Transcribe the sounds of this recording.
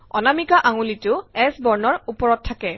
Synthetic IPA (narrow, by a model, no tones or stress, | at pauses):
ɔnamikaʔaŋulitʊɛsbɔɹnɔɹupɔɹɔtʰːakɛ